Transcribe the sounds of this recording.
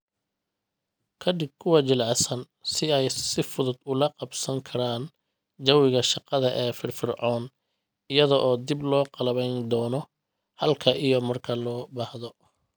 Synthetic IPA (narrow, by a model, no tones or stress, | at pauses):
kʰɐd̪ɪb̚kʰʊwɑt͡ʃɪlʕɑsɐn | sɪɛjsɪfʊðʊd̪ʊlɐqɑbsɐŋkʰɐɾaːn | d͡ʒɐwɪɣɐʃɑqɑðɐʔɛːfɪrfɪrʕɔːn | ɪjɐðɔʔɔːd̪ɪblɔːqɑlɐβɛjnd̪ɔːnɔ | hɐlkʰɐʔijɔmɐrkʰɐlɔːbahðɔ